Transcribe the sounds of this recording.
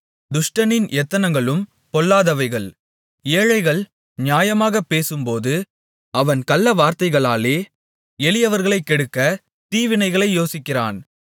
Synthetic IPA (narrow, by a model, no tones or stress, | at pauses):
d̪ʊʂʈɐnɪnʔɛt̪ːɐnɐŋɡɐɭɯm | pɔlːaːðɐʋɐɪɣɐɭ | eːɻɐɪɣɐɭ | nɪjaːjɐmaːɣɐpːeːsɯmpoːðɯ | ɐʋɐnkɐlːɐʋaːɾt̪ɐɪɣɐɭaːleː | ɛlɪjɐʋɐɾɣɐɭɐɪkːɛɽɯkːɐ | t̪iːʋɪnɐɪɣɐɭɐɪjoːsɪkːɪra̰ːn